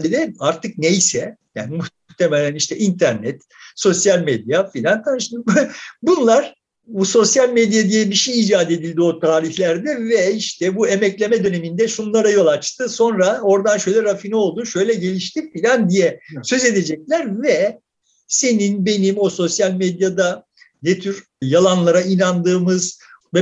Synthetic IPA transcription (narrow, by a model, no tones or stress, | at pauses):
id̪ɛaɾt̪ɯk̚nejsɛja̰ːnimu | ht̪ʰemelʲæniʃt̪ʰɛʔint̪ʰæɾnɛt̪ | so̞sjalʲmed̪jafilʲant̪ʰanʃbbunlˠaɾ̥ | buso̞sjalʲmed̪ijad̪ijɛbiʃejiːd͡ʒaːd̪ed̪ilʲd̪io̞t̪ʰaːɾiçlʲæɾd̪ɛvɛiʃt̪ʰɛbue̞mɛclʲe̞mɛd̪ø̞ne̞mind̪ɛʃunlˠaɾajo̞lˠat͡ʃt̪ʰɯso̞nɾao̞ɾd̪anʃø̞jlʲɛɾafinio̞lˠd̪uːʃø̞jlʲɛɟe̞lʲiʃt̪ʰifilʲand̪ijɛsø̞ze̞d̪e̞d͡ʒɛc̚lʲæɾvɛ | se̞ninbe̞nimo̞so̞sjalʲmed̪jad̪a | net̪ʰyɾ | jalˠanlˠaɾainand̪ɯːmɯz | vɛ